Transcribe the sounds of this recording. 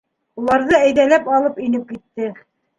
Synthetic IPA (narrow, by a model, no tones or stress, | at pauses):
ulˠɑɾðɤæjðælæpɑlˠɤpinɘp̚kit̪ːɘ